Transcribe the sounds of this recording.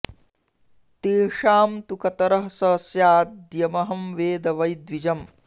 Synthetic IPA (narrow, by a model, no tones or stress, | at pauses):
t̪eːʂaːmt̪ukɐt̪ɐɾɐɦsɐsjaːd̪jɐmɐɦɐmʋeːd̪ɐʋɐjd̪ʋid͡ʒɐm